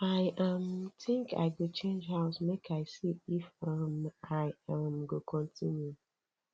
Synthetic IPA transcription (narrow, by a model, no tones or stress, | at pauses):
aɪʔʌmtʰɪ̃ŋka̰ɪɡot͡ʃẽnd͡ʒɦaʊsmekʰaɪsiifʌmaɪʌmɡokʰɔ̃ntʰĩnju